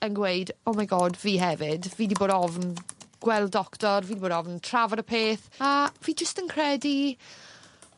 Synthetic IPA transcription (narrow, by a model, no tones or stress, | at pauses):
ənɡweɨdɔmaɡɔːdviːɦɛvɪdviːdiboːdɔvnɡ̥wɛlˠdɔktɔrviːdiboːdɔvntʰravɔɾəpʰeːθaviːd͡ʒəstənkʰrɛdi